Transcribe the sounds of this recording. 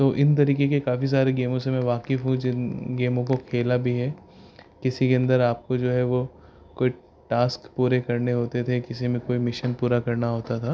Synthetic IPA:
t̪oːʔɪnt̪̬ɐɾiːkekekaːfis̬aːɾeɡeːmõsemɛ̃ʋaːkɪfɦũd͡ʒɪnɡeːmõkokʰeːlabʱiɦɛː | kɪsikeɐ̃nd̪əɾaːp̚kod͡ʒoːɦɛʋo | koːi | ʈaːskpuːɾekɐɾneɦoːt̪et̪ʰekɪsimẽkoːimɪʃənpuːɾakɐɾnaɦoːt̪at̪ʰaː

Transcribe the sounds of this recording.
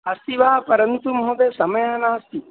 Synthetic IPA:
ɐst̪iʋaɦɐpɐɾɐnt̪umɐɦõd̪esɐmɐjɦɐnaːɐst̪i

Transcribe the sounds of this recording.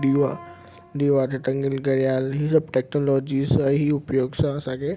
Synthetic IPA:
ɖiːʋa | ɖ̪iːʋaːt̪ʰeʈɐ̃ŋɡɪlɡɐɾijaːlɦisɐbʈeːknoːlɔːd͡ʒisəɦiʊpjoːɡsãɐsãkʰe

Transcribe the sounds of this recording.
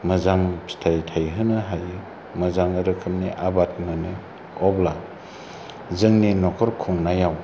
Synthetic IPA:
mɐzaŋpʰi̥tʰajtʰajɦɯnɯɦaj | mɐzaŋɯɾɯkʰɯmniʔabat̚mɯni | ɔbla | zɯŋninɔkʰɔɾkʰuŋnajaw

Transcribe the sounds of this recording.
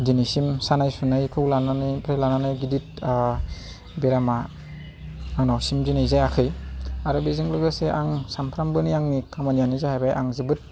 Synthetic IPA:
dinisimsanajsunajkʰɯklananɯpʰɾelananajɡidit̚ | beɾama | ŋnawsimzinajzajakʰɯjaɾubizɯŋlɯɡɯseʔaŋsampʰɾambɯniaŋnikʰamanijanizahajbajʔaŋzibɯt̚

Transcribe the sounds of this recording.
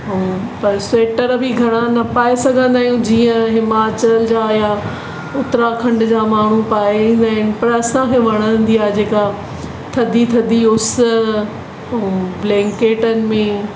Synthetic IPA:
ɦpɐɾseːʈəɾbʱiɡʱɐɽ̃anɐpaːesɐɡʱə̃nd̪aːɦijũd͡ʑiːə̃ɦɪmaːt͡ɕəld͡ʑaːja | ʊt̪ɾakʰɐ̃ɳɖʊd͡ʑaːmaːɳ̤upaːĩːnd̪aːɦɪnɪ̆pɐɾɐsãkʰeʋɐɽ̃ə̃n̆d̪iaːed͡ʑeːka | t̪ʰɐd̪ʱit̪ʰɐd̪ʱiʊs̆ | blɛ̃ːŋkeːʈənɪ̆mẽ

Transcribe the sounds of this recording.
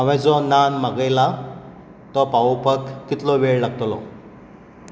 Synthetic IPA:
əʋɛ̃d͡zɔnanməɡəjla | t̪ɔpaʋopəkːit̪lɔʋeɭlaɡ̚t̪lɔ̰

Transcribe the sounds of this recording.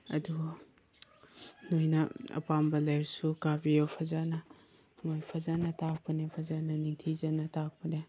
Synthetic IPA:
ɐ̰du | nojnɐɐ̰pambɐlajɾsukabijopʰazanɐ | mojpʰazanɐtak̚pɐnepʰɐzanɐniŋtʰizanɐtak̚pɐne

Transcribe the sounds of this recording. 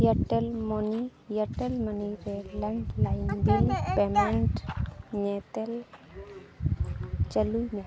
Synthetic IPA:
jəʈelmonijəʈelməniɾeleɳʈlaind̪ilpemeɳʈnet̪el | t͡ʃəluine

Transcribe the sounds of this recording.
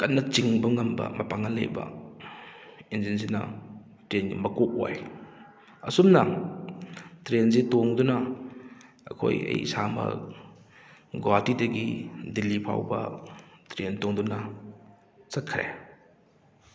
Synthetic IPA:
kɐnːɐt͡ʃiŋbɐŋɐmbɐ̰mɐpaŋɐlḛjbɐ̰ | ind͡ʒinzinɐ̰ | tɾenɡḭmɐkok̚o̰j | ɐsumnɐ | tɾenzitoŋdunɐ | ɐ̰kʰo̰jɐ̰jsamɐ̰ | ɡoatidɐɡidilipʰa̰wbɐ̰tɾentoŋdunɐ | t͡ʃɐt̚kʰɾḛ

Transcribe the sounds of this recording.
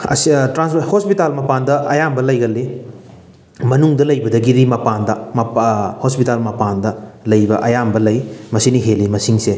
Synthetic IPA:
ɐ̰stɾanshospitalmɐpandɐɐjambɐlɐjɡɐlːi | mɐnuŋdɐlɐjbɐdɐɡiɾimɐpandɐmɐhospitalmɐpandɐlɐjbɐʔɐjambɐlɐjmɐsiniɦelimɐsiŋse

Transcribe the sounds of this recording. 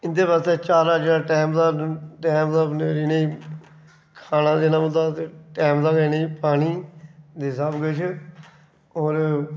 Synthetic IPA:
ɪnd̪eːbast̪eːt͡ʃaːɾaːd͡ʒeaːʈɛːmd̪aːʈɛːmd̪aːnɾiːneiː | kʰaːnãːd̪eːnãːmʊ̃d̪aːt̪eʈɛːmd̪aːɡəneiːpaːniːd̪eːsaːbɡəʃ | ɔːɾ

